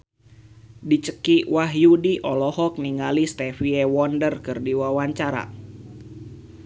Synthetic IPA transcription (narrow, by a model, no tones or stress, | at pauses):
dit͡ʃəkiwaɦjudiʔɔlɔhɔk̚niŋalist̪ɛfiɛwɔndərkɨrdiwawaɲt͡ʃaɾa̰